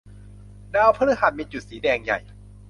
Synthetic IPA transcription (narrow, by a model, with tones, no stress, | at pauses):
daː˧wpʰa˧˥ɾɯ˦˥hɦa˨˩t̪̚miː˧t͡ɕu˨˩t̪̚siː˩˦dɛː˧ŋja̰˨˩j